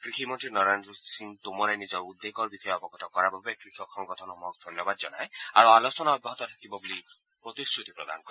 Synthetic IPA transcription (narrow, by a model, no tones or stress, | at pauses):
kɾikʰimɔnʈɾinɔɾand̪ɾusint̪umɔɾajnid͡ʒɔɾud̪ːekɔɾbikʰɔjɔpɔkɔʈʰɔkɔɾabʱabekɾikʰɔkʰːɔŋɡɔt̪ʰɔnɔmɔk̚d̪ʱɔnjɔbad̪d͡ʒɔna̰ja̰ɾualot͡ʃɔnaɔbːɔɦɔt̪ɔt̪ʰakibɔbuli | pɾɔt̪isɾut̪i̥pɾɔd̪a̰nɔkɔɾe